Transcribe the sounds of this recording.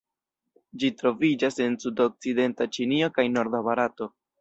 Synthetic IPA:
d͡ʒitɾo̞vid͡ʒase̞nsudo̞k̚t͡side̞ntat͡ʃinio̞kajno̞ɾdaβaɾato̞

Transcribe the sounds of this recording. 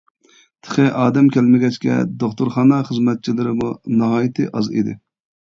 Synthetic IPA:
t̪ʰə̥χɨʔɑːd̪ɛmkʲʰælmɪɡʲɛt͡ʃkʲɛ̰d̪oχt̪uɾχɑːnɑχəzmɛt̪̚t͡ʃʰilɪɾɪmunɨɦɑːjit̪ʰɨʔɑzḭd̪ɪ̰

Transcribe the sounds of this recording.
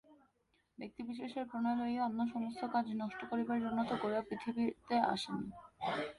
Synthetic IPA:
bek̚t̪ibiʃeʃeɾpɾonaeloieanːaʃɔmost̪ʰokad͡ʑnɔʃʈokoɾibaɾiɾunːat̪oɡoɾeapɾit̪ʰibit̪ea̰ʃeni

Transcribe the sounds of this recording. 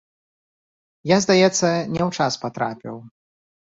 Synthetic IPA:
jazd̪ajɛt̪sːɐnʲɛwt͡ʂaspat̪ɾa̰pʲḭw

